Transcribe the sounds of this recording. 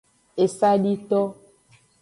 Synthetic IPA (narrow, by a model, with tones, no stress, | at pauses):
e˨sa˦ɖi˦t̪ɔ˦